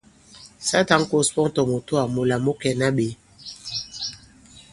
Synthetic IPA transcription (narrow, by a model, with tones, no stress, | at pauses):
sa˦ta˦ŋ̩˦ko˦spɔ˦ŋ˦tɔ˨mo˨to˦a˨mo˨la˨mo˦kɛ˨na˦ɓe˨˦